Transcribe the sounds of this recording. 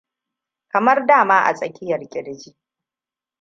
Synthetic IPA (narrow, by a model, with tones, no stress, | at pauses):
kɐ˨mɐ˦rdaː˦˨maː˦ʔa̰˨sʼɐ˨kʲɪ˦jɐ˨rkʲʼɪ˦ɽd͡ʒiː˦ʔ